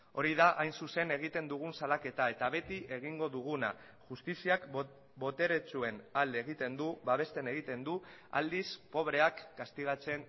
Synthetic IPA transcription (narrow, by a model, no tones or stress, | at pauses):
o̞ɾiðaʔajnsuse̞ne̞ɣ̞it̪e̞nd̪uɣ̞unsalake̞t̪ae̞t̪aβe̞t̪iʔe̞ɣ̞iŋɡo̞ðuɣ̞una | ʝust̪isiak | bo̞t̪e̞ɾe̞t͡sue̞nald̪eːɣ̞it̪e̞nd̪uβaβ̞e̞st̪e̞ne̞ɣ̞it̪e̞nd̪ua̰ld̪ispo̞β̞ɾe̞akːast̪iɣ̞at͡se̞n